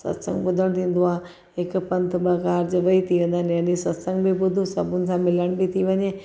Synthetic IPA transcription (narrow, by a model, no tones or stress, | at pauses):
sɐ̰t̪sə̰̃ŋɡbʊd̪ʱəɽ̃t̪ʰĩːn̆d̪uaː | ɦɪkpɐ̃nt̪bəkaːɾd͡ʑʋɐit̪ʰiʋẽːnd̪aneɐnisɐt̪sə̃ŋɡbibʊd̪ʱusɐbʊnɪ̆sãmɪləɽ̃bit̪ʰiʋɐɲe